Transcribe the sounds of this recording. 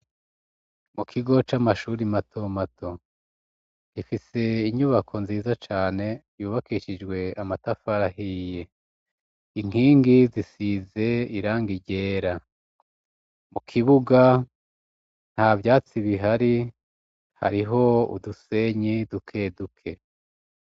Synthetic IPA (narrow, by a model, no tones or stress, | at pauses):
mukʰiɡo̞t͡ʃamaʃuːɾimatʰo̞matʰo̞ | ɡ̥ifise̞iɲuβakʰo̞nziːzat͡ʃaːne̞juːβakiʃid͡ʒɡwe̞amatafaɾaɦiːje̞ | iŋ̥iːŋɡizisize̞iɾaːŋɡiɟe̞ːɾa | mukʰiβuɡa | n̥havjaːt͡siβiɦaɾi | ha̰ɾiɦo̞ṵduse̞ɲidukʰe̞dukʰe̞